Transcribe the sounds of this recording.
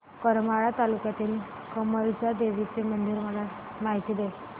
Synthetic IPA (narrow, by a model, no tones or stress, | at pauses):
kəɾmaɭat̪alukjat̪iːl | kəməɾd͡zad̪eʋit͡semənd̪iɾməla | maɦit̪iːd̪e